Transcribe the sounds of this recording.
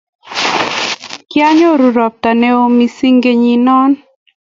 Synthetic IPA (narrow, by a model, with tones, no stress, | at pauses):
kja˦ɲo˦ɾu˨ɾɔ˨p̚ta˨ne˦o˦mi˦si˦ŋɡe˦ɲi˦nɔ˦n